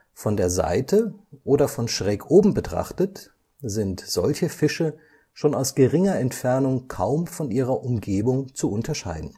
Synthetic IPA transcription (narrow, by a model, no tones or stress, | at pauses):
fɔndeːɐza̰ɪtʰəʔoːdɐfɔnʃʁ̥ɛːkʔoːbm̩bətʁ̥a̰χtət | zɪntz̥ɔlçəfɪʃə | ʃoːnaʊsɡ̥əʁɪŋɐɛntfɛɐnʊŋkʰaʊmfɔnʔiːʁ̞ɐʔʊmɡeːbʊŋt͡suʊntʰɐʃa̰ɪdn̩